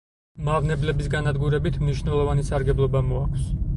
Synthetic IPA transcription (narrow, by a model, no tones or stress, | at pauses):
maʁnɛblɛbisɡanad̪ɡuɾɛbit̪ʰmniʃnɛlˠɔvanisaɾɡɛblˠɔbamɔakʰws